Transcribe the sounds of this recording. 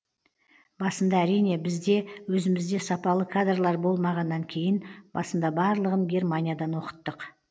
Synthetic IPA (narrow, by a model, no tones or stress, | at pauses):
bɑsənd̪ɑæɾijne̞bɪzd̪e̞wɵzɪmɪzd̪e̞sɑpɑlˠəkʰad̪rlˠɑɾbo̞lˠmɑʁɑnːɑŋkʲʰe̞jɪnb̥ɑsənd̪ɑbɑɾlˠəʁəŋɡʲe̞rmanʲijad̪ɑnwo̞qə̥t̪ːəq